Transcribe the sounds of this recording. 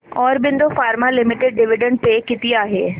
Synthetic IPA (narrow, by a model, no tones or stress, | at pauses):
ɔːɾbɪ̃nd̪ofaːɾmalɪmɪʈɪɖ̚ɖɪʋɪɖə̃ɳɖ̚pekɪt̪ɪjaːɦḛː